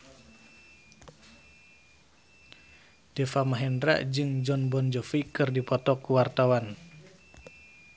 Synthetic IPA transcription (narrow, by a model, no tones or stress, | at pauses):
d̥ɛfamaɦɛndɾa̰ʔd͡ʒɨŋd͡ʒɔnbɔnd͡ʒɔfikɨrdipɔt̪ɔkuwart̪awan